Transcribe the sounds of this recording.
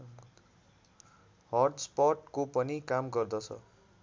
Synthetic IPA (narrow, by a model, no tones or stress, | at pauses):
hʌrɖspʌʈkopʌnikamɡʌrd̪ʌt͡sʰʌ̰